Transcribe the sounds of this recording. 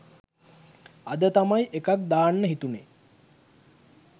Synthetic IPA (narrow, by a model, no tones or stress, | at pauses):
ad̪ət̪amajʔekak̚d̪aːnːəɦit̪une